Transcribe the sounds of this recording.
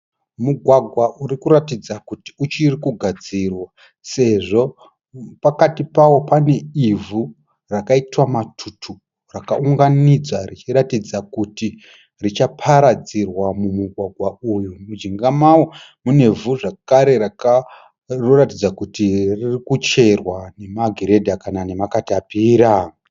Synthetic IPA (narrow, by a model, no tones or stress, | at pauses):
muɡʱwaɡʱwauɾikuɾatid͡zakuti̥ut͡ʃirikuɡʱad͡zirwa | se̞ʐo̞ | pakatipawo̞pane̞ivu | rakaitwamatʰutʰu | rakauŋɡanid͡zarit͡ʃiɾatid͡zakuti | rit͡ʃapʰaɾad͡zirwamumuɡʱwaɡʱwaujumud͡ʒiŋɡamawomune̞vuʐakaɾe̞ɾaka | roratid͡zakutiririkut͡ʃe̞rwane̞maɡʱiɾe̞dʱakanane̞makatiapiːɾa